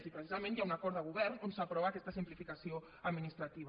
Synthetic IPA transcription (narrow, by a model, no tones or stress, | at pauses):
tipɾəsizamẽnjaunakɔɾd̪əɣ̞uβɛrnonsapɾɔβakɛst̪asimplifikasio | əd̪minist̪ɾat̪iβ